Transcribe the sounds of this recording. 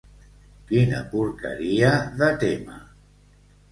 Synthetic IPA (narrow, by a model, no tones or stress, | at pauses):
kinə̰puɾkə̰ɾiaðət̪ema̰